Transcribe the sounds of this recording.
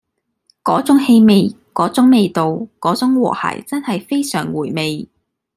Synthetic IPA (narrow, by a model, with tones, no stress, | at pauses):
kɔː˨˥t͡sʊ˨˥ŋhe˧jme˨˧j | kɔː˨˥t͡sʊ˨˥ŋme˨jt̪o˨wkɔː˨˥t͡sʊ˨˥ŋwɔ̰ː˨˩ha̰ː˨˩jt͡sɐ˥nhɐ˨jfe˥jsœ̰ː˨˩ŋwuː˨˩jme˨j